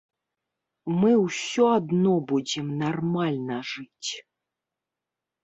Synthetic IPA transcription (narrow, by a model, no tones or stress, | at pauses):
mɨwsʲɔad̪nɔbud͡zʲɪmnarmalʲnɐʐɨt͡sʲ